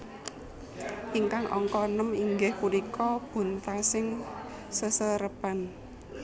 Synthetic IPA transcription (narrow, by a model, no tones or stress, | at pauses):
ʔiŋkaŋʔɔ̰ŋkɔnəmiŋɡɪhkulikʰɔb̥ṳnt̪asɪŋ | səsəɾəpan